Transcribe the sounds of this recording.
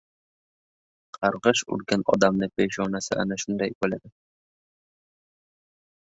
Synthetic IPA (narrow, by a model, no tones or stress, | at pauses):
qʰɑɾʁɨʃʊ̰ɾɡʲanɒ̰d̪amnɪpʰeʃɒnasɪʔa̰naʃʊnd̪ajbolad̪ɪ